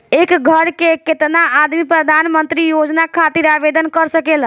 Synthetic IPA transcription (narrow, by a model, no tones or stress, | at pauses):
ekɡʱəɾkeket̪naad̪mipɾəd̪ʱanmənt̪ɾijod͡ʒnakʰat̪iɾabed̪ənkəɾsəkel